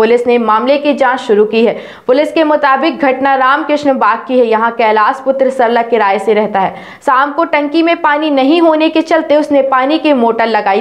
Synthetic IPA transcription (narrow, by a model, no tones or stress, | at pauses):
pʊlɪsnemaːmlekid͡ʒãːt͡ʃʃʊɾukiɦɛː | pʊlɪskemʊt̪aːbɪk̚ɡʱɐʈnaɾaːmkɾɪʃnbaːt̪̚kiɦɛjɐɦãkɛːlaːspʊt̪ɾəsɐɾlakɪɾaːeseɾɛɦt̪aɦɛː | saːmkoʈɐ̃ŋkimẽpaːninɐɦĩɦoːneket͡ʃɐlt̪eʊsnepaːnikimoːʈəɾːɐɡaːi